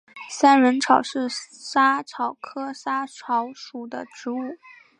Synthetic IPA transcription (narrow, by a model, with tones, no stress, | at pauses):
sa˥nɻə˧˥nʈ͡ʂʰɑ˨˩ʊʂɻ̩˥˩sa˥ʈ͡ʂʰɑ˨˩ʊkʰɤ˥sa˥ʈ͡ʂʰɑ˧˥ʊʂu˨˩d̪ə̰˦ʈ͡ʂɻ̩˧˥u˥˩